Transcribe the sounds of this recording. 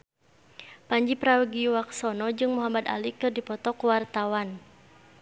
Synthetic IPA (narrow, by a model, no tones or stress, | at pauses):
paɲd͡ʒipɾawuɡiuwaksɔnɔd͡ʒɨŋmuɦamad̪a̰likɨrdipɔt̪ɔkuwart̪awan